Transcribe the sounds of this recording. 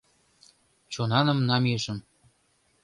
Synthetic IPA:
t͡ɕonɑnə̆mnɑmeʃə̆m

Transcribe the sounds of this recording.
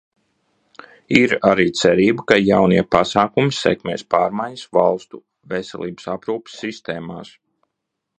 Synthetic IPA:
iɾaɾiːt̪sɛɾiːbəkajawniɛpasaːkumisɛ̰kmʲɛːspaːɾmajɲɐsvalˠst̪u | vɛsɛ̰lˠḭːbəsapɾuːpi̥sːist̪eːmaːs

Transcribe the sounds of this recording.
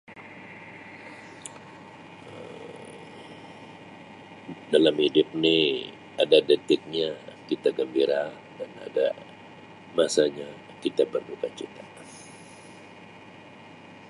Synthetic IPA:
ə | dalamhidʊp̚ni | adadət̪ɪk̚ɲakit̪aɡəmbiɾa | dana̰da | masaɲa | kit̪abərdukat͡ʃit̪a

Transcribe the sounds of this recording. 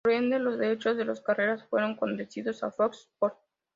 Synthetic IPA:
ɾe̞nd̪elo̞zðeɾe̞t͡ʃozðe̞loskare̞ɾasfwe̞ɾo̞ŋko̞nd̪esiðo̞sa̰fokspoɾt̪̚

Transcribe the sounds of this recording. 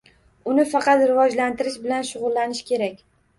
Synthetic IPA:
ʊnɪfɑqɑt̪ɾɪvɒd͡ʒlant̪ɪɾɪʃbɪlanʃʊʁʊlːanɪʃkʲʰe̞ɾakʲ

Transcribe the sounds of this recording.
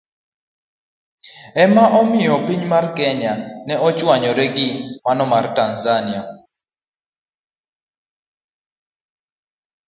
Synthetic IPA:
ɛmaʔɔmɪjɔpiɲmarkɛɲanɛɔt͡ʃʼwaɲɔɾɛɡimanɔmartanzania

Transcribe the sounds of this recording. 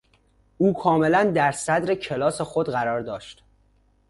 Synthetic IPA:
ʔuːkʰɒːme̞lænd̪æɾsæd̪ɾecʰelɒːsexod̪ɢæɾɒːɾd̪ɒːʃt̪

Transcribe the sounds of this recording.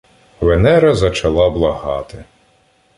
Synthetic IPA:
ʋenɛɾɐzɐt͡ʃɐlˠɑblˠɐɦɑt̪ɪ

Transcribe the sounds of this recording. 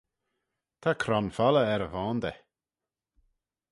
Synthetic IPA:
t̪ʰakʰɾɔnfaləɛɾəvɔːnd̪ɛ

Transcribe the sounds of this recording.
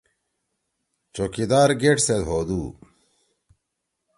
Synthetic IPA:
t͡ɕokid̪aːɾɡeʈsed̪ɦoːd̪uː

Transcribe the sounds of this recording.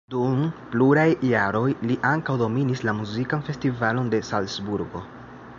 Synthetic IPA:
dumpluɾajːaɾo̞jliʔaŋkawdo̞minislamuzikanfe̞stivalo̞nde̞salsbuɾɡo̞̰

